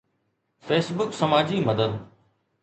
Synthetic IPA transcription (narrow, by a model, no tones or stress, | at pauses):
feːsbʊksəmaːd͡ʑiːməd̪əd̪